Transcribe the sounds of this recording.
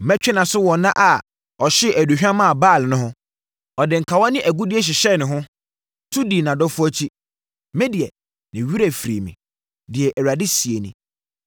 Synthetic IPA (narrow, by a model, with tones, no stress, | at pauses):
mɛ˦t͡ɕᶣɪ˦nã˨sʊ˦wɔ˨nã˦ʔa˨ | ɔ˨ɕɪ˦ʔæ˨du˨ɕᶣã˦mã˦˨baː˦˨lnʊ̃˦ɦʊ̃˦ | ɔ˨dɪ̃˨ŋ̩˨kʰa˨wa˦nɪ̃˦ʔæ˨ɡu˦dɪ˦ɛ˦ɕ̬ɪ˨ɕɛ˦˨nɪ̃˨ɦʊ̃˦ | tʰu˦di˨nã˨dɔ˦fʊ˦ɔ˦t͡ɕʰi˦ | mɛ̃˦di˨ɛ˨ | nɪ̃˨ɥu˦ɾæ˨fɾḭ˨mĩ˨ | dɪ˨ɛ˨ʔæ˨wa˨dɪ˦si˨e˨nĩ˨